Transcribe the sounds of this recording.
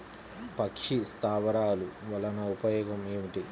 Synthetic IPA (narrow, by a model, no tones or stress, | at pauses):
pɐkʂist̪aːʋɐɾaːluʋɐlɐnɐupɐjɔːɡɐmeːʋiʈi